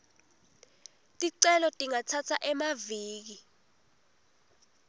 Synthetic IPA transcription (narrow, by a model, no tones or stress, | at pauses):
tʼiǀɛlɔtʼiŋatʰatʰaʔɛmaviːk̬i